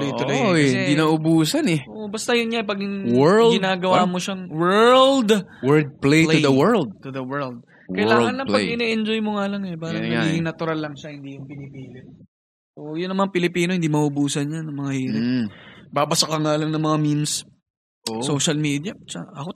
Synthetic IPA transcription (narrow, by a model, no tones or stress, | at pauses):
lɛj̪olɐjoɪɛnɪnaʔobuːsɐnɛoʔbɐst̪ɐjʊnɲaʔɛpɐɡɪwɛdɡɪnaːɡɐwaːmo̞ʃɐŋwɛld̪wɛɹd̪̚plejd̪ɐwɛɹld̪̚t̪ʊðɐwɛɹld̪̚ | kɐjlaːŋɐnlːɐŋɐɡʔɪnɛʔɛnd͡ʒojmoŋalɐŋɛpaːɾɐɡiːɡɪŋnɐt̪ʊɾalːɐŋʃɐhɪnd̪iːjʊŋpɪlɪpiːlɪn | ʔoʔjʊnːɐŋmɐŋapɪlɪpiːnoɪnd̪iːmɐʔʊbuːsɐnɲɐnɐŋmɐŋahiːɾɪ | baːbɐsɐkɐŋaːlɐŋnɐŋmɐŋamims | ʔosoːʃɐlmid̪jɐt͡ʃɐʔɐko